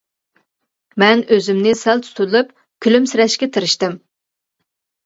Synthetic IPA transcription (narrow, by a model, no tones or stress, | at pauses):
mɛnʔøzymnɪsælt̪ʰu̥t̪ʰulˠɨp̚ | kʲʰylymsɪɾɛʃkʲɛt̪ʰɨɾɪʃt̪ɪm